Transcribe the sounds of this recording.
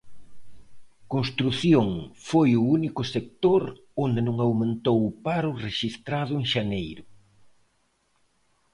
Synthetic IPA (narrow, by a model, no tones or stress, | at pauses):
konst̪ɾuθjoŋfojʊunikʊsek̚t̪oɾ | ond̪ɪnõŋawmẽnt̪owʊpaɾʊreʃist̪ɾaðʊeŋʃanejɾʊ